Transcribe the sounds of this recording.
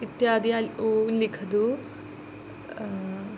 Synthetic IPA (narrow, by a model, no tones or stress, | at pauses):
it̪jaːd̪ijaolːikʰɐd̪u